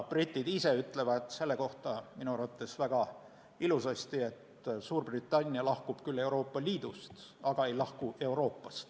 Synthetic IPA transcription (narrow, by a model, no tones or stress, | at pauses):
b̥rit̪ʲːˑid̪ise̞yt̪ːˑle̞vɑd̪̥se̞lːe̞ko̞ht̪ɑminuɾɑt̪ˑːesvæɡ̥ɑ | ilusɑst̪ie̞t̪ | suːrb̥rit̪ːˑɑnʲːiɑlɑhkub̥kylːe̞uɾo̞ːpːɑliːd̪ust̪ɑɡ̥ɑe̞jlɑhkue̞wɾo̞ːpːˑɑst̪